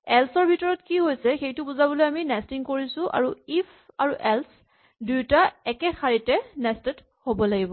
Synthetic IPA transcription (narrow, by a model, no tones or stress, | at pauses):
ɛlsɔɹbʱitɔɹɔtkiɦojsɛxejtʊbuzabɔlojaminɛstiŋkoɹisʊ̃ʔa̰ɹuifʰaɹuʔɛls | dujtaɛkɛxʰaɹitɛnɛstɛt | hobɔlaɡibɔ